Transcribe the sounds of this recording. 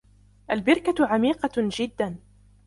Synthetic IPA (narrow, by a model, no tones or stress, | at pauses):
ʔalbɪɾkaʕamiːqɑd͡ʒɪd̪ːan